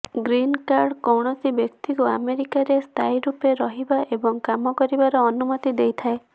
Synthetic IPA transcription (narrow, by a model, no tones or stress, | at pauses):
ɡɾinkaɾɽkɔwɽ̃ɔsibjɔkt̪ikuameɾikaɾest̪ʰajɾupeɾɔɦibaʔebɔŋkamɔkɔɾibaɾɔːnumɔt̪id̪ejt̪ʰae